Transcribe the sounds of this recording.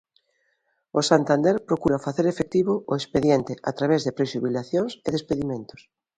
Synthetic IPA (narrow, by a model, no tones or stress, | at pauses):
ʊsant̪and̪eɾpɾokuɾafaθeɾefek̚t̪iβʊoespeðjent̪ɪʔat̪ɾaβezðepɾeʃuβilaθjoŋseðespeðimẽnt̪ʊ̥s